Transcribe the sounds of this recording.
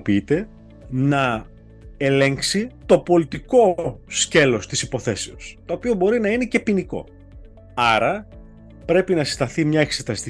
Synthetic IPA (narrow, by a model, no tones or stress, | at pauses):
piit̪e̞ | nɐ | e̞le̞ŋksit̪o̞po̞lit̪iko̞sce̞lo̞st̪isipo̞θe̞seost̪o̞ːpio̞bo̞ɾinɐine̞ce̞piniko̞̰ | ɐɾɐ | pɾe̞pinɐsi̥st̪ɐθimɲɐe̞kse̞t̪ɐst̪i